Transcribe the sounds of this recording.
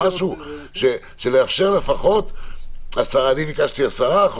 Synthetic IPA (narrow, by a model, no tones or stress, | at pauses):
aʃuʃe | ʃeleafʃe̞ʁle̞faχo̞t̪ | asaʁaːnimikaʃt̪iasaʁaχ